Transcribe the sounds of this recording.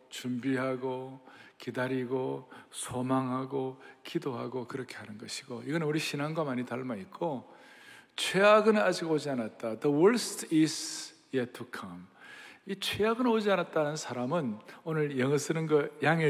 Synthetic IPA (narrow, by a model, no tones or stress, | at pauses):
t͡ɕumbiɦaɡokidaɾiɡosʰomaŋɦaɡokidoɦa̰ɡokɯɾʌkʰe̞hanɯnɡʌɕʰi̥ɡoiɡʌnɯnuɾiɕʰinaŋɡwamaɲitaɭmaik̚k͈o | t͡ɕʰweaɡɯnad͡ʑiɡod͡ʑianat̚t͈ad̪əwʌɭstʰis | jetʰukʰʌmit͡ɕʰwejaɡɯnod͡ʑianat̚t͈anɯnsʰaɾamɯnonɯɭjʌŋʌs͈ɯnɯnɡʌjaŋe